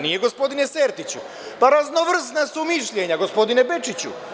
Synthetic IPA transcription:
nije̞ɡo̞spo̞d̪ineseːɾt̪it͡ɕu | paɾazno̞ʋr̩snasumiʃʎeɲaɡo̞spo̞d̪inebe̞t͡ʃit͡ɕṵ

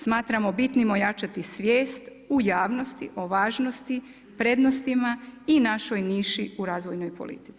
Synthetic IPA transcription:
smaːt̪ɾamo̞bit̪nimo̞jat͡ʃat̪isʋje̞ːst̪ | ujaːʋno̞st̪ḭʔo̞ʋaːʒno̞st̪i | pɾe̞d̪no̞st̪imainaʃo̞jniːʃiuɾaːzʋo̞jno̞jpo̰lḭt̪i̥t̪si̥

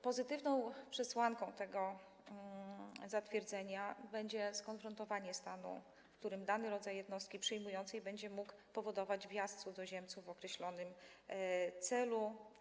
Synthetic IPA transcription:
pɔzɘt̪ɘvnɔ̃w̃pʂɛswaŋkɔ̃w̃t̪ɛɡɔ | zat̪fʲjɛɾd̪zɛɲabɛɲd͡ʑɛskɔnfɾɔnt̪ɔvaɲɛst̪anṵ | fkt̪uɾɘmd̪anɘɾɔd̪zajːɛd̪nɔst̪̚kʲipʂɛjmujɔnt̪sɛjbɛɲd͡ʑɛmukpɔvɔd̪ɔvad͡ʑvʲjast̪sud̪ɔʑɛmt̪suvvɔkɾɛɕlɔnɘm | t̪sɛlu

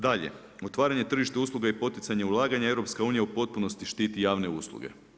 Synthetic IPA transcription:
d̪aʎe̞̰ | o̞t̪ʋaːɾaɲe̞t̪r̩ʒiʃt̪euːslˠuɡaipo̞t̪it̪saɲeulˠaːɡaɲae̞ʋɾo̞pskauːnijaupo̞t̪̚puno̞st̪iʃt̪iːt̪ijaːʋne̞uːslˠṵɡe̞̰

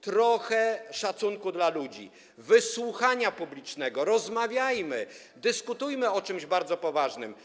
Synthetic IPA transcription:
t̪ɾɔxɛʂat̪suŋkud̪lalud͡ʑḭ | vɘswuxaɲapublʲit͡ʂnɛɡɔɾɔzmavʲjajmɘ | d̪ɘskut̪ujmɘɔt͡ʂɘmʑbaɾd̪zɔpɔvaʐnɘm

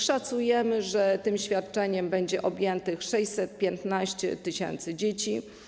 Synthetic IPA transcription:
ʂat̪sujɛmɘʐɛt̪ɘmɕfʲjat̪̚t͡ʂɛɲɛmbɛɲd͡ʑɛʔɔbʲjɛnt̪ɘxʂɛɕʲsɛt̪̚pʲjɛnt̪naɕt͡ɕɛ̰t̪ɘɕɛ̰nt̪sɘd͡ʑet͡ɕi

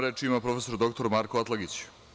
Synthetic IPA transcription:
ɾeːt͡ʂimapɾo̞fe̞so̞ɾd̪o̞kt̪o̞ɾmaːɾkoat̪lˠaɡit͡ɕ

